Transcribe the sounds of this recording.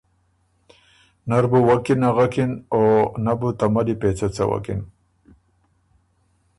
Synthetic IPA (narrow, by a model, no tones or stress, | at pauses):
naɾbuwakinaɣakinonabut̪amad̪ipet͡sat͡sa̰wa̰kin